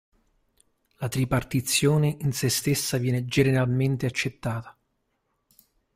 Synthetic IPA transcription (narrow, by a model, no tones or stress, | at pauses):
lat̪ɾipart̪it̪sːjoːneinsest̪esːavjɛːned͡ʒeneɾalment̪eat͡ʃːet̪ːaːt̪ḁ